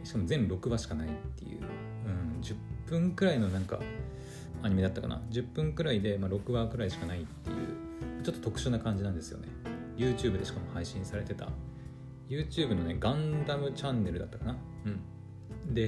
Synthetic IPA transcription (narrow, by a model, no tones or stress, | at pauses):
ɕi̥kamo̞zẽnɾo̞kɯ̟baɕi̥kanait̪ːe̞̰jɯ̰ | ɯ̟̃ɴd͡ʑɨppːɯ̟̃ŋkɯ̟ɾaino̞nãŋka̰ | aɲ̟ime̞d̪at̪ːaka̰na̰d͡ʑɨpːɯ̟̃ŋkɯ̟ɾaid̪e̞maɾo̞kɯ̟bakɯ̟ɾaiɕi̥kanait̪ːe̞̰jɯ̰ː | mat͡ɕo̞t̪ːo̞t̪o̞kɯ̟ɕonakãɲ̟d͡ʑinãnd̪e̞sɨjo̞̰ne̞ | jɯ̟ːt͡ɕɨːbɯ̟d̪e̞ɕi̥kamo̞haiɕĩɰ̃saɾe̞t̪e̞t̪a̰ | jɯ̟ːt͡ɕɨːbɯ̟no̞ne̞ɡãnd̪amɯ̟t͡ɕãnːe̞ɾɯ̟d̪at̪ːakana | ɯ̟̃ɴ | d̪e̞